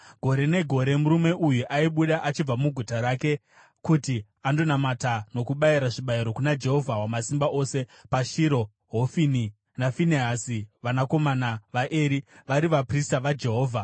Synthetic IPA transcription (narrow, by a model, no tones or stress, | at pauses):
ɡʱo̞ɾe̞ne̞ɡʱo̞ɾe̞muɾume̞ʔujuʔaiɓuɗaʔat͡ʃib͡vamuɡʱutaɾake̞ | kuti | ando̞namatano̞kuɓaiɾaʐiɓaiɾo̞kunad͡ʒe̞ɦo̞vʱawamasimbaʔo̞se̞paʃiɾo̞ | ɦofini | nafineɦasiʋanako̞manaʋaʔeːɾiʋaɾiʋapristaʋad͡ʒe̞ɦo̞ːvʱa